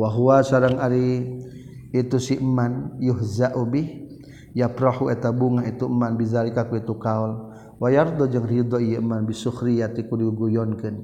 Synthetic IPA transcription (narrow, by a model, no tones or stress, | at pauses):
waɦuasaɾaŋaɾi | it̪usiʔəmːanjʊɦzaʔubɪh | japɾahuɛt̪abuŋaɦit̪uəmːanbizaɾikakuit̪ukaɔl | wajard̪ɔd͡ʒaŋrid̪ɔijɛʔəmːanbisuhɾijat̪ikudiɡujɔnkən